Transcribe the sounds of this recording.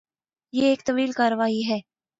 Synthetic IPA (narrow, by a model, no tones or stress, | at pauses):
jeːkt̪ɐʋiːlkaːɾʋaːiɦɛː